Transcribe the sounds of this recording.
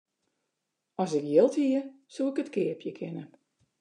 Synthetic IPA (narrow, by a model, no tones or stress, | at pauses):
ɔsɪkjɪlˠthiə | suːɪkətkɪəpʰjəkʰɪnə